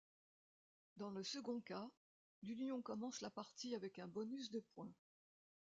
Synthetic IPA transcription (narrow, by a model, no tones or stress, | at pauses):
d̪ɑ̃ləsəɡɔ̃ka | lynjɔ̃kɔmɑ̃slapaʁt̪iavɛkɛ̃bɔnys̬d̪əpwɛ̃